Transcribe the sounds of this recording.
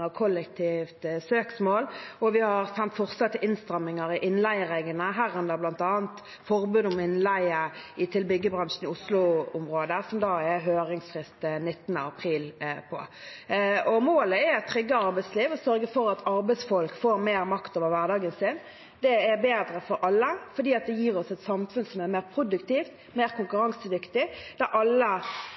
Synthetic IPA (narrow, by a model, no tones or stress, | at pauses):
əkʰɔlːək̚t̪ʰiːft̪søːksmoːlɔʋɪhɑʁsɛnt̪fɔʁsɑt̪ːəʔɪnst̪ʁɑmːɪŋɑɾɪʔɪnlæɪəʁɛɡənəɦæːʁɛnd̪əʁblɑnt̪ɑːnt̪ | fɔʁbʉd̪ʊmɪnlæɪəɪt̪ʰɪlbʏɡːəbɾɑnʃn̩ɪʊslʊʊmʁoːd̪əsɔmd̪ɑːɛɦøːɾɪŋsfʁɪst̪nɪt̪ːənə̰ɑpʰɾiːlpʰɔ̰ | ɔmoːləɛɾɛt̪ʰːʁʏɡːəɑɾbæɪt̪sliːʋɔsœɾɡəfɔɾɑt̪ʰɑɾbæɪsfɔlkfoːɾmeːɾmɑkt̪oːʋəɾʋæʁd̪ɑːɡənsɪn | d̪̥ɛæbeːd̪ɾəfɔɾʔɑlːəfɔd̪iːɑt̪̚d̪ɛjiːɾɔsɛt̪sɑmfʉnsɔmæʁmeːʁpʰɾʊd̪ʉkt̪iːft̪ | meːʁkʊŋkʉɾɑŋsəd̪ʏkt̪ɪd̪̥æɾʔɑlːə